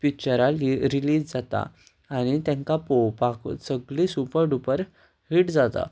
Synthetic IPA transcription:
pikt͡ɕəɾaliɾiliːsd͡zat̪a̰ː | ñit̪jãŋkapowpaksəɡɭisupəɾɖupəɾ | hiːʈd͡zat̪a̰

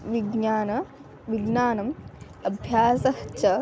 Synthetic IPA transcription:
ʋiɡɲaːnɐ | ʋiɡnaːnɐm | ɐbʱjaːsɐɦt͡ʃɐ

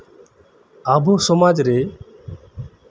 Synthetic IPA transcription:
aːbʱoːsɔmaːd͡ʒɾeː

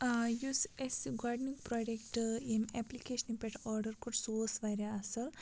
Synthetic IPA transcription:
jusesɡoːɖniŋkproɖekʈɨemeplikeːʂɐnipeʈoːrɖɐrkoʈsoːsʋɐɾeɐsɨ

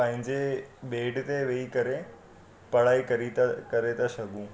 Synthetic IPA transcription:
pɐ̃ɦɪ̃ɲd͡ʑeɓeːɖt̪eʋeikɐɾe | pɐɽaːikɐɾit̪kɐɾet̪ɐʃɐɡũː

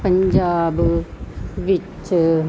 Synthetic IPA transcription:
pəɲd͡ʒaːb | ʋit͡ʃ

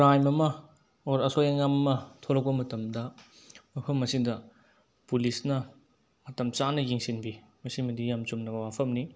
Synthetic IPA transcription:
ɾajmɐmɐ | oɾɐsojaŋamɐmɐtʰoɾɐk̚pɐmɐtɐmdɐ | mɐpʰɐmːɐsidɐ | pulisnɐ | mɐtɐmt͡ʃanɐjiŋsinbi | mɐsimɐdijamt͡ʃumnɐbɐwapʰɐmni

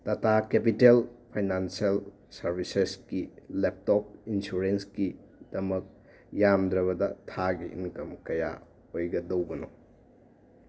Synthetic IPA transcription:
tɐtʰakepitelpʰajnansiel | sɐɾbiseskilep̚tɔp̚insuɾenski | d̥ɐmɐk̚ | jamd̪ɾɐβɐdɐtʰaɡiʔːnkɐmkɐja̰ | ojɡɐdɐwbɐno

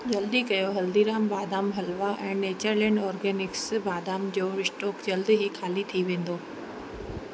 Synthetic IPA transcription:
d͡ʑɐld̪ikɐjoɦɐld̪iɾaːmbaːd̪aːmɦɐlʋaʔɛ̃ːneːt͡ɕəɾlɛ̃ːɳɖɔːɾɡɛːnɪksbaːd̪aːmd͡ʑoːɾɪʃʈoːkd͡ʑɐld̪ɦikʰaːlit̪ʰiʋẽːn̆d̪oː

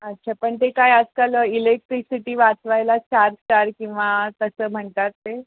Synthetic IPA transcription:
ətːɕʰapəɳt̪ekajəd͡zkaləilek̚ʈɾisiʈiːʋat͡sʋajlat͡ɕaɾsʈaɾkĩw̃ʋakəsəːm̤əɳt̪at̪ːe

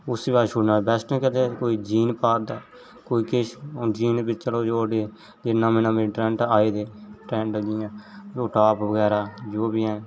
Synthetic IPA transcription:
ʊsibaːʃʊɽnaːbɛːsʈnẽːkɛt̪eːkoːiːd͡ʒiːnpaːd̪aː | koːiːkɪʃd͡ʒiːnbɪt͡ʃt͡ʃəloːd͡ʒoːɖeː | d͡ʒɪnːãːmeːnãːbĩːʈɾɛ̃ːɳʈaːiːd̪eːʈɾɛ̃ːʈd͡ʒɪjãːd͡ʒoːʈaːpʋəɡɛːɾaːd͡ʒoːbiɛ̃ː

